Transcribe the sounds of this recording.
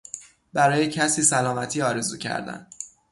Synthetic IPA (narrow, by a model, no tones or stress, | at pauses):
bæɾɒːjecʰæsiːsælɒːmæt̪ʰiːɒːɾe̞zuːcʰæ̰ɾd̪æ̰n